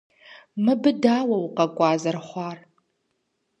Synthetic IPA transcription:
mɨbɨdaːwɐwqʼɐkʷʼɑːzɐrχʷɑr

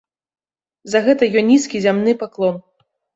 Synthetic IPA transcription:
zɐɣɛt̪ɐjɔnʲiskʲizʲamnɨpaklˠɔn

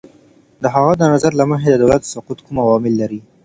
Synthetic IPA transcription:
d̪əɦaɣad̪ənazaɾlaməɦed̪əd̪awlat̪sʊqut̪kumawɑmɪlːaɾi

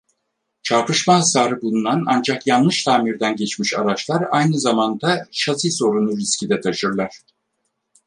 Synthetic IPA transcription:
t͡ʃʰaɾpʰɯʃmaɦasaːɾɯbulˠunana̰nd͡ʒakjanlˠɯʃt̪ʰaːmiɾd̪ænɟet͡ʃmiʃa̰ɾat͡ʃlˠaɾajnɯzamand̪aʃat̪ʰiso̞ɾunuɾiscʰid̪ɛt̪ʰaʃɯɾlˠaɾ̥

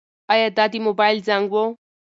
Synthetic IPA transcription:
ɐjat̪at̪imobajld͡zaŋɡwo

